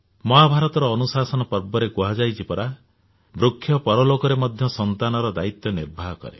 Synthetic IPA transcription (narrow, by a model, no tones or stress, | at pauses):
mɔɦabʱaɾɔt̪ɔɾɔːnusasɔnɔpɔɾbɔɾekuɦad͡ʒajt͡ʃʰipɔɾa | bɾukʰːjɔpɔɾɔlokɔɾemɔd̪ʱjɔsɔnt̪anɔɾɔd̪ait̪jɔniɾbʱaɦɔkɔ̰ɾḛ